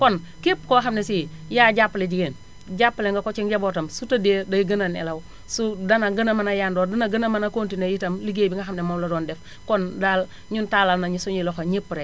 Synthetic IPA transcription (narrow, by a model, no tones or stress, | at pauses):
kɔn | kepkoxamnesi | jaːɟapːled͡ʒiɡen | ɟapːleŋɡakot͡ʃiŋɟabotɐmsutɐdedaɡənanɛ̰law | sudɐnaɡənɐmanajandɔːdɐnaɡənamanakoːntinajitɐmliɡeːbiŋɡaxamnemomlodɔːndɛf | kɔndal | ɲuntalalnaɲisoɲiloxaɲipːɾe